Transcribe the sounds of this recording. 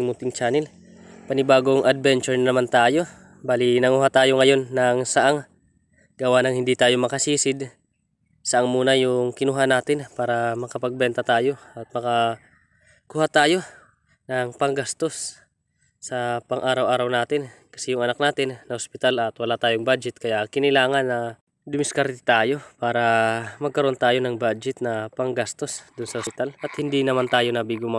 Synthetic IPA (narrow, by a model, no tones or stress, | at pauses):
ŋmʊt̪ɪŋt͡ʃaːnɪl | pɐnɪbaːɡoŋʔɐd̪̚bɛnt͡ʃɛɹnɐmant̪aːjo̞ | baːlɪnɐŋuːhat̪aːjo̞ŋɐjo̞nːɐŋsɐʔaŋ | ɡ̥ɐwaːnɐŋhɪnd̪it̪aːjo̞mɐkɐsiːsɪd̪ | sɐʔaŋmuːnɐjʊŋkɪnuːɦanaːt̪ɪnpaːɾɐmɐkɐpɐɡ̚bɛnt̪ɐt̪aːjo̞ɐt̪̚mɐkɐ | kuːhat̪aːjo̞ | nɐŋpɐŋɡast̪o̞s | sɐpɐŋʔaːɾɐwʔaːɾɐwnaːt̪ɪnkɐ̥sɛjʊŋʔɐnak̚naːt̪ɪnːɐhospɪt̪alɐt̪wɐlaːt̪aːjoŋbaːd͡ʒɛt̪̚kɐjakɪnɪlaːŋɐnːɐ | d̪ʊmɪskaɾt̪ɪ̥t̪aːjo̞paːɾɐmɐɡ̚kɐɾo̞nt̪aːjo̞nɐŋbad͡ʒɛt̪̚nɐpɐŋɡast̪o̞sd̪ʊnsɐhot̪alʔɐt̪hɪnd̪inɐmant̪aːjo̞nɐbiɡʊma